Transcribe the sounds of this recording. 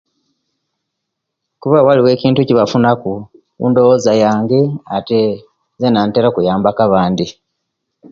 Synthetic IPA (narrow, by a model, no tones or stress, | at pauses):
kuβawaliwe̞ːciːntuciβafunaku | ṵndo̞woːzajaːŋɡe̞ate | zenanteɾokujaːmbakaβaːndi